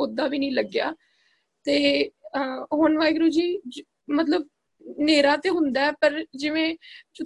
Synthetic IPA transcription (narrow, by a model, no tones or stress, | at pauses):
ʊd̪aːʋiːnəĩːləɡja̰ː | t̪eː | ɦonʋaːiɡɾuːd͡ʒiːd͡ʒ | mət̪ləb | neːɾaːt̪eːɦʊnd̪aːɛːpəɾd͡ʒɪʋẽːt͡ʃʊ